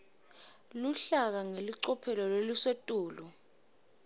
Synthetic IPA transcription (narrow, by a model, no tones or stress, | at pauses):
luɬak̬aŋeliǀɔpʰɛlɔlelusetʼuːlu